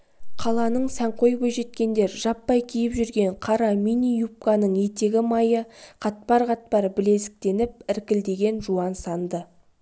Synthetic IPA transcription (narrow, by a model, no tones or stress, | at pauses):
qʰɑlˠɑnəɴsæɴqʰo̞jkʊʒe̞t̪kʲe̞nd̪e̞ɾʒɑpːɑjkʲʰijɪpʒʏɾɡʲe̞ɴqʰɑɾɑminʲijup̚kɑnəɴje̞t̪e̞ɡʲɪmɑjəqʰɑt̪̚pɑɾqɑt̪̚pɑɾbɪle̞sɪ̥k̚t̪e̞nɪp̚ɪɾkʲɪld̪e̞ɡʲe̞nʒuɑnsɑnd̪ə